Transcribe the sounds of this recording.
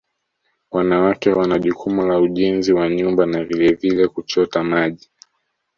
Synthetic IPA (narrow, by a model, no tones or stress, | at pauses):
wanawakɛwanaʄukʰumulauʄinziwaɲumbanavilɛvilɛkut͡ʃɔtamaʄi